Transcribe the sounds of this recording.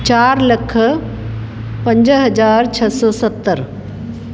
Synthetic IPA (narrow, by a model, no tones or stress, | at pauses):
t͡ʃaːɾləkʰ | pə̃ɲd͡ʑɦɐd͡ʒaːɾt͡ʃʰɐsɔːsət̪ːəɾ